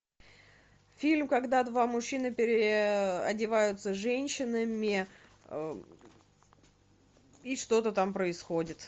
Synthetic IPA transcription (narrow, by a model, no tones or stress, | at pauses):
fʲilʲmkɐɡd̪ad̪vamʊɕːinɨpʲɪɾʲɪɐdʲɪvajʊt̪səʐɛnʲɕːɪnəmʲɪ | iʂt̪o̞t̪ət̪ampɾəɪsxodʲɪt̪